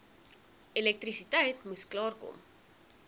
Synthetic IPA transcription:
ilɛk̚trisitɛjtmusklɑːrkɔ̰m

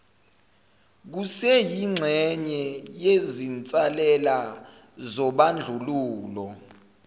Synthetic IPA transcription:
k̬usɛjiŋ͡ǁʱɛɲɛjezint͡sʼalɛla | zɔɓand͡ɮʱuluːlɔ

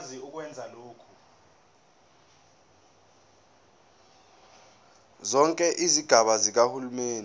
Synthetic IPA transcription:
ziuk̬wɛnd͡zʱaloːkʰu̥ | zɔŋkʼɛʔiziɡ̥ʱaɓazik̬ahulumeːnd

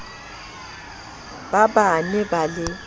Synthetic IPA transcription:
babanɛbalɪ

